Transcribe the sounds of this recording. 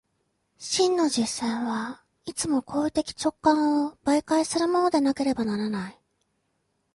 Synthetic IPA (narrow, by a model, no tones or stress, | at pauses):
ɕĩnːo̞ʑisːaiβa | it͡sɨmo̞kʰo̞ːit̪e̞kʲi̥t͡ɕo̞kːãɰ̃ob̥aikaisɨɾɯ̟mo̞no̞d̪e̞nake̞ɾe̞banaɾanai